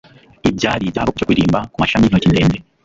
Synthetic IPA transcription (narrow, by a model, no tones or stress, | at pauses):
ibɟaːɾibaokucokwiɾiːmbakumaʃamiiocindeːnde